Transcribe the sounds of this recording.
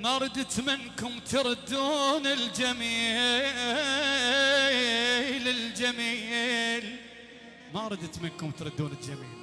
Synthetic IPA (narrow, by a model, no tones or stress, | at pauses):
maɾˤɑd̪ɪt̪mɪnkʊmt̪ɑɾˤd̪ːuːnɪld͡ʒamiː | lɪld͡ʒamiːl | maɾˤɑd̪ət̪mɪnkʊmt̪ɾˤɨd̪ːuːnɪld͡ʒamḭːl